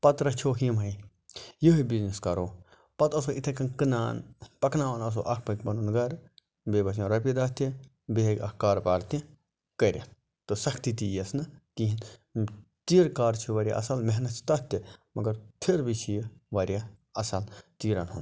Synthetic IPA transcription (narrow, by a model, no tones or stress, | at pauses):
pɐt̪ɾɐt͡ʃʰoːɦimɦɐj | jiɦibizniskɐɾoː | pɐt̪ɐs̬oʔit̪ʰekɐnkɨna̰ːnpɐknaːʋɐnɐs̬o̰ːʔɐkʰpɐkbɐnunɡɐɾ | beːbɐs̬ãɾɐp̬id̪ɐt̪i | beɦkʲɐ̰kkaːɾpaːɾt̪ĩ | kɐɾʲɐ̰t̪̚ | t̪ːɨsɐkʰt̪it̪ijɐsnɨkiɦin | t̪iːɾkaːɾt͡ʃʰiʋɐɾʲja̰ʔɐ̰sɐlmeɦnɐt̪̚t͡ʃʰi̥t̪ɐt̪ːimɐɡɐɾt̪ʰiɾbit͡ʃʰijʋɐɾʲjaɐsɐlt̪iːɾɐnɦṵn